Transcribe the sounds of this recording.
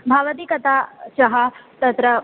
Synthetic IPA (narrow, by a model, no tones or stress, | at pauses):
bʱaːʋɐd̪iːkɐt̪aʃɐɦɐt̪ɐt̪ɾɐ